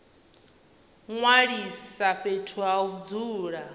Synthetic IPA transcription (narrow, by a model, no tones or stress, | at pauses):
ŋwaɺisaɸetʰuaud͡zuːɺa